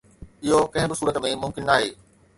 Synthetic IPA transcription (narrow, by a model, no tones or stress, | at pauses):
ɪɦokɐ̃ɦɪ̃bɪsuːɾət̪mẽmʊ̃mkɪnnaːɦeː